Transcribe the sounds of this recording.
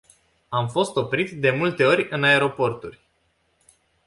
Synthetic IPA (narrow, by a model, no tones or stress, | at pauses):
amfo̞st̪o̞pɾit̪d̪e̞mult̪e̞o̞ɾʲɨnae̞ɾo̞po̞rt̪urʲ